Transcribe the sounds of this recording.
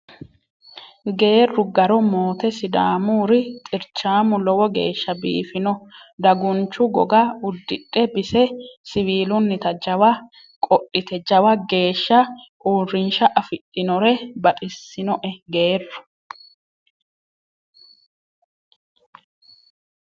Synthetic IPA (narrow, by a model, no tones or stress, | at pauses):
ɡe̞ːrːʊɡɐɾɔmo̞ːt̪ɛsɪd̪a̰ːmuːɾɪt̪ʼɪɾt͡ʃːaːmʊlɔwɔɡe̞̰ːʃːɐbḭːfɪnɔd̪ɐɡʊnt͡ʃːʊɡɔ̰ɡɐʊd̪ːɪᶑʼɛbɪsɛsɪwiːlʊnːɪt̪ɐd͡ʒɐwɐ | kʼɔʔːɪt̪ʰɛd͡ʒɐwɐɡe̞ːʃːɐʔuːrːɪnʃɐʔɐfɪtʼːɪnɔɾɛbɐt̪ʼɪsːɪnɔʔɛɡe̞ːrːʊ̥